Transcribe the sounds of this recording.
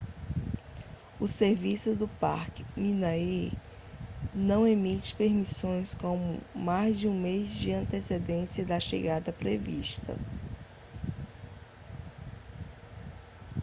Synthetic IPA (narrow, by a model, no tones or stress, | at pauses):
ʊseɾvisʊd̪ʊpa̰ɾkɪ̥mĩnai | nɐ̃w̃emit͡ʃɪ̥peɾmisõj̃skõmʊ̰majzd͡ʒɪũmezd͡ʒɪɐ̃t̪esed̪ẽsiɐd̪ɐʃḛɡad̪ɐpɾeviʃt̪ɐ̰